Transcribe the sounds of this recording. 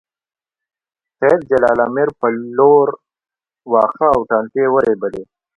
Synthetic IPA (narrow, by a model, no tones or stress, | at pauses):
qeːd̪̚d͡ʑɐlaːlaːmeɾpɐloːɾ | waːxawʈaːnt̪eːwɐɾeːbɐd̪eː